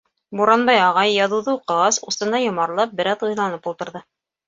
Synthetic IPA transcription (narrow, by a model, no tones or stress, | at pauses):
buɾɑnbɑjɑʁɑjːɑðɤ̆wðɤuqɤ̆ʁɑsusɤ̆nɑjŏmɑɾlˠɑp̚bɘ̆ɾæðŭjðlˠɑnɤpulˠt̪ɤ̆ɾðɤ